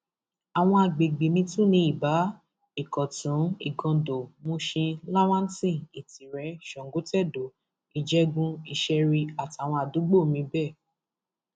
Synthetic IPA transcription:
a˨w̃ɔ̃˧a˨ɡ͡be˨ɡ͡be˨mĩ˧tũ˦nĩ˧˦i˨ba˨˦ | i˨kɔ˨tũ˨˦i˦˨ɡɔ̃˧do˨mõ˧ʃĩ˧la˦w̃ã˦n˦tĩ˦˨i˨tĩ˨ɾɛ˨˦ʃɔ̃˨ŋ˨ɡo˨˦tɛ˦˨do˨ | i˨d͡ʒɛ˦ɡũ˧i˧˨ʃɛ˧ɾi˧a˨ti˨a˨w̃ɔ̃˧a˨du˨˦ɡ͡bo˦˨mĩ˧bɛ˦˨

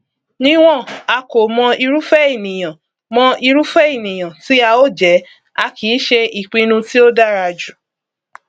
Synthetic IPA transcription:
nĩ˦w̃ɔ̃˦˨a˧ko˨mɔ̃˧i˧ɾu˦fɛ˦i˦˨nĩ˨j̃ã˨ | mɔ̃˧i˧ɾu˦fɛ˦i˦˨nĩ˨j̃ã˨ti˨˦a˧o˦˨d͡ʒɛ˨˦ | a˧kʰi˨˦ʃe˧ʔi˨k͡pĩ˧nũ˧ti˦o˦da˦ɾa˧d͡ʒu˨

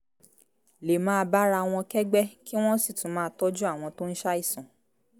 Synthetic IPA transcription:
le˨mãː˦˧ba˦ɾa˧˨w̃ɔ̃˧kɛ˦ɡ͡bɛ˦ki˦w̃ɔ̃˦si˦˨tũ˨˦mãː˦˧tɔ˦d͡ʒu˦a˦˨w̃ɔ̃˧to˦n̩˦ʃa˦i˦˨sã˨

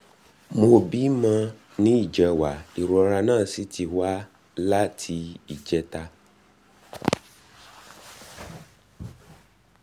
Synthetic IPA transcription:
mo˧bi˦mã˧ | nĩ˦i˦˨d͡ʒɛ˨wa˨i˨ɾɔ˨˧ɾa˧nãː˦˨si˨˦tʰi˧wa˦ | la˦tʰi˧˦i˦˨d͡ʒɛ˨˦ta˧

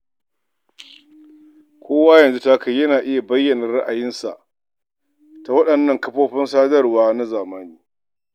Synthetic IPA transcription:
kʷʰoː˦waː˦jɐ˨nzu˦ta˦ka˨jjɐ˦naː˨ʔɪ˦ja˨bɐ˦jːɐ˨nɐ˨rɽɐ˦ʔa˨jɪ˦nsa̰˨ʔ | ta˨wɐ˦ɗɐ˨nːɐ˦˨ŋkɐ˦ɸoː˦ɸɪ˦nsaː˦dɐ˦rwaː˦na˦zaː˨maː˦niː˦

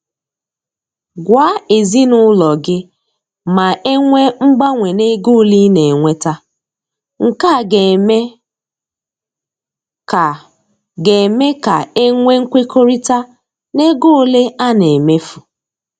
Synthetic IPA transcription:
ɡʷa˦e˨zi˦nʊ˦lɔ˨ɡɪ˦ | ma˨ʔe˦ŋʷe˦ŋ͡m̩˦ɡ͡ba˦ŋʷe˨ne˦ɡo˦li˦ne˨ŋʷe˦ta˦ | ŋ̩˨ka˦˨ɡe˨me˦ | ka˨ | ɡe˨me˦ka˨e˦ŋʷe˦ŋ̩˦kʷe˦kʰo˦ɾi˦ta˦ | ne˦ɡo˦le˦a˦ne˨me˦fu˨

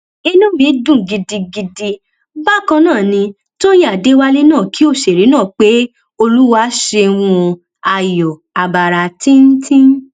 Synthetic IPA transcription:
e˧nũ˦bĩ˨˦dũ˦˨ɡi˧di˧ɡi˧di˧ | ba˦kã˧nãː˦˨nĩ˧ | to˦ja˦˨de˨˦wa˦li˦nãː˦˨ki˨˦o˦˨ʃe˨ɾi˨˦nãː˦˨k͡pe˦ | o˧lu˦wa˦ʃe˧w̃ũ˧ | a˨jɔ˨ | a˨ba˨ɾa˧tĩ˦n̩˦tʰĩ˦

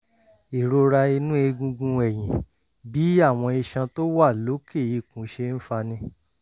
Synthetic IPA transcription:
i˨ɾo˧ɾa˧i˧nũ˦e˧ɡũ˧ɡũ˧ɛ˨j̃ĩ˨ | bi˨˦a˦˨w̃ɔ̃˧i˧ʃã˧to˦wa˦˨lo˨˦ke˦˨i˧˨kũ˨˦ʃe˧n̩˦fa˧nĩ˧

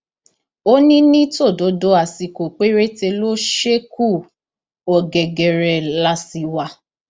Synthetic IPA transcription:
o˦nĩ˦nĩ˦to˦˨do˨˦do˦a˨si˧ko˨k͡pe˨˦ɾe˦te˧lo˦ʃe˦ku˦˨ | ɔ˨ɡɛ˨ɡɛ˨ɾɛ˨la˦si˧wa˧

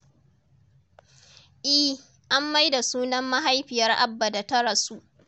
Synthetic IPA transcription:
ʔɪ˦ | ʔa˦mːa˦jda˨suː˦nɐ˦mːa˦ɦa˦jɸɪ˨jɐ˦rʔa̰˦bːa˨da˨tɐ˦ɾɐ˨su˦ʔ

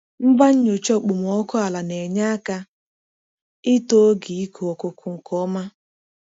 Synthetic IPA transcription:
m̩˦ba˦ɲ̩˦ɲo˨t͡ʃɔ˦˨k͡pu˨m˨ɔ˦kʊ˦a˨la˨ne˨ɲa˦ka˦ | ɪ˦to˦ɡi˨i˦kʰo˨o˨ko˨kʰʊ˨ŋ̩˨kɔ˦ma˦

